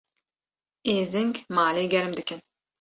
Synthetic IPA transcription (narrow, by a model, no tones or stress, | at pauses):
eːzɪŋkmaːleːɡʲɛɾɨmd̪ɨkʲʰɪn